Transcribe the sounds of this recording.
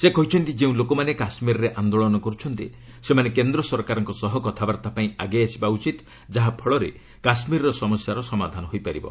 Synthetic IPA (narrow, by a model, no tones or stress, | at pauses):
sekɔɦit͡ʃʰɔnt̪id͡ʒeũlokɔmanekasmiɾɔɾeʔand̪oɭɔnɔkɔɾut͡ʃʰɔnt̪i | semanekend̪ɾɔsɔɾkaɾɔŋkɔsɔɦɔkɔt̪ʰabaɾt̪apaĩaɡeasibaut͡ʃit̪ | d͡ʒaɦapʰɔɭɔɾḛ | kasmiɾɾɔsɔmɔsjaɾɔsɔmad̪ʱanɔɦojpaɾḭbɔ̰